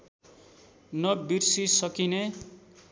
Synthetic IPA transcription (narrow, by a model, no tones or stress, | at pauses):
nʌbirsisʌkine